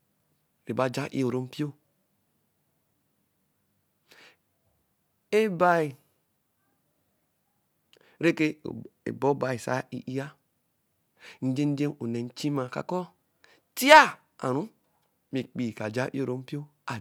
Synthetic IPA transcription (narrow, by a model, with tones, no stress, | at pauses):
ɾe˨ba˨˦˨d͡ʒa˦ʔḭ˦o˨ɾo˦m̩˦pi˦o˦ | e˦ba˦i˨ | ɾe˦kḛ˦˨ḛ˨bo˦ba˨i˨sa̰˦ḭ˦ʔi˦a˦ | n̩˦d͡ʒe˦n˦d͡ʒe˦no˨ne˨n̩˦t͡ʃi˦ma˨ka̰˨kɔ˦ | ti˦a˦ | a̰˨ɾu˦ | mi˨k͡pi˨ka˨d͡ʒa˦ʔḭ˦o˨ɾo˦m˦pi˦o˦ | a˨